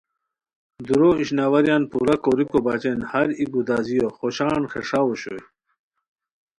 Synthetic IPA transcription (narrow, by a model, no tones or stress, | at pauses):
d̪uɾoiɕnawɐɾjaːnpuɾɐkoɾikobat͡ɕenhaɾiɡud̪azijoχoɕaːnxḛʂaoɕo̰j